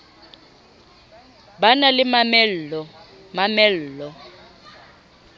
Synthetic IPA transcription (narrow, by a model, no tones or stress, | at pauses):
banalɪmamɛɔ | mamɛl̩ːlɔ